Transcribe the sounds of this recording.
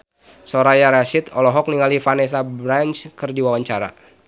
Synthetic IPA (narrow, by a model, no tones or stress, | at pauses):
soɾajaɾasɪt̪ɔlɔɦɔk̚niŋalifanɛs̬abɾant͡ʃkɨrdiwawaɲt͡ʃaɾa̰